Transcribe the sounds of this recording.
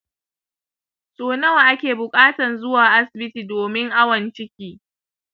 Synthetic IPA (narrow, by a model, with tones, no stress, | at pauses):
sʼoː˨nɐ˦wa˨ʔa˦kʲeː˨bʊ˨kʼaː˦tɐ˨nzʊ˦waː˨ʔa˦sɪ˨bɪ˦tiː˨doː˨mɪ˦ŋʔa˦wɐ˨nt͡ʃɪ˦kʲiː˦